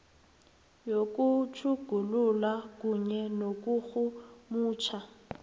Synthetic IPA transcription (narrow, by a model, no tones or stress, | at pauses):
jokʼut͡ʃʰuɡ̥ʱululwak̬ʼuɲɛnok̬ʼuxumuːt͡ʃʰa